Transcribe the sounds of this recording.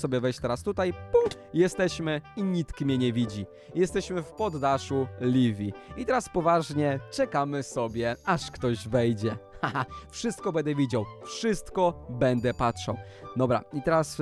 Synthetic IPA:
sɔbʲjɛvɛjɕt͡ɕt̪ɛɾast̪ut̪ajp | jɛst̪ɛɕmɘiɲit̪kmʲjɛɲɛvʲid͡ʑi | jɛst̪ɛɕmɘfpɔd̪ːaʂulʲivʲiit̪ɛɾaspɔvaʐɲɛt͡ʂɛkamɘsɔbʲjɛaʂkt̪ɔʑvɛjd͡ʑɛafʂɘst̪̚kɔbɛnd̪ɛvʲid͡ʑawfʂɘst̪kɔbɛnd̪ɛpatʂa̰wd̪ɔbɾa̰it̪ɛɾas

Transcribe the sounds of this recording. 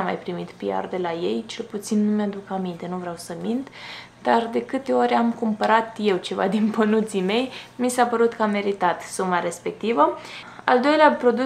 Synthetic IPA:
amːa̰jpɾimit̪pia̰rd̪e̞laje̞jt͡ʃe̞lput̪sinːumjad̪ukamint̪e̞nuvɾeawsəmind̪ | d̪̥ard̪e̞kɨt̪e̞oɾeamkumpəɾat̪je̞wt͡ʃe̞va̰d̪inpənut̪sime̞jmisapəɾut̪kəame̞ɾit̪at̪sumaɾe̞spe̞k̚t̪ivəa̰ld̪o̞jleapɾo̞d̪u

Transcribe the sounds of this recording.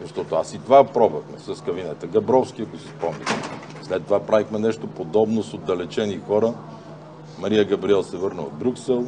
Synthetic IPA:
zɐʃt̪ɔt̪oasit̪ovapɾɔbəxmɛsɐskɐvinɛt̪əɡɐbɾɔfskʲiɐkosispɔmnʲḭx | slɛt̪ːovapɾavixmɛnɛʃt̪opod̪ɔbnosod̪ːɐlɛt͡ʃɛnixɔɾə | mɐɾiəɡɐbɾiɛlˠsɛvɤɾnəo̰d̪̚bɾʲuksɛlˠ

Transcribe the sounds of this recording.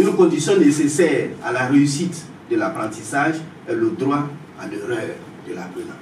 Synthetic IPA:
ynkɔ̃d̪isjɔ̃nesesɛːʁa̰lareysit̪ | d̪əlapɾɑ̃t̪isaʒ | ɛləd̪ɾwa | ã̰ləɾɛ | d̪əla̰bɾenã̰

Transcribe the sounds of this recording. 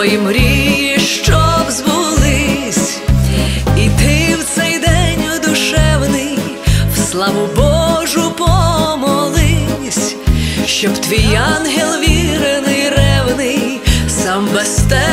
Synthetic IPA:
ɔjimɾʲijiʃt͡ʃɔwzbʊlˠɪsʲ | it̪ɪwt̪sɛjd̪ɛnʲɔd̪ʊʃɛwnɪj | wslˠɑʋʊbɔʒʊpɔmɔlˠɪ | sʲ | ʃt͡ʃɔbt̪ʋʲijɑnɦɛlˠʋʲiɾenɪjɾɛwnɪj | sɑmbɛst̪ɛ

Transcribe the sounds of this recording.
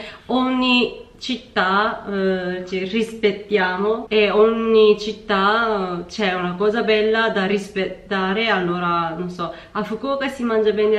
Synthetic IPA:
ɔɲːi | t͡ʃit̪ːa | t͡ʃirispet̪ːjaːmoeɔɲːit͡ʃit̪ːat͡ʃɛunakɔːzabɛlːad̪arispet̪ːaːɾealːoːɾanonsɔ | afukukasimand͡ʒabɛːn

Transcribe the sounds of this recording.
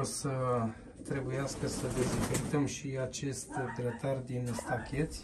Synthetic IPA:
sə | t̪ɾe̞bujaskəsəd̪e̞zekert̪əmʃiat͡ʃe̞st̪d̪ɾət̪ard̪inst̪akʲe̞t̪sʲ

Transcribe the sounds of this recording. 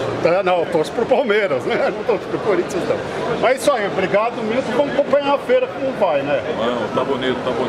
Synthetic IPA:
ɛnɐ̃w̃t̪osʊ̥pɾʊpawmeɾɐsnɛnɐ̃w̃t̪osʊ̥pɾʊpoɾit͡ʃɐ̃t̪ɐ̰̃w̃mɐzisʊaibɾiɡad̪ʊmĩut̪ʊvɐ̃mʊkõpɐ̃ɲãɐfeɾɐkõʊvajnɛmɐ̃t̪abonit̪ʊt̪abõ

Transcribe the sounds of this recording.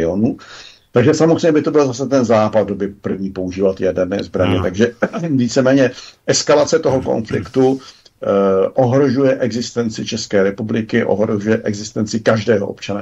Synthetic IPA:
ɪonuː | t̪aɡʒɛsamot̪ɛɲɛbɪt̪o̞bɪlzasɛt̪ɛnzaːpad̪̚dobɪpr̩vɲiːpouʒiːvat̪jɛdɛɾnɛ̰ːzbɾaɲɛt̪aɡʒɛviːt͡sɛmɛːɲɛʔɛskalat͡sɛt̪oɦoko̞̰nflɪ̰kt̪u | ʔoɦɾo̞ʒujɛʔɛɡzɪst̪ɛnt͡sɪt͡ʃɛskɛːɾɛpublɪkɪʔo̰ɦɾoʒujɛʔɛɡzɪst̪ɛnt͡sɪkaʒdɛːɦoʔo̰pt͡ʃana

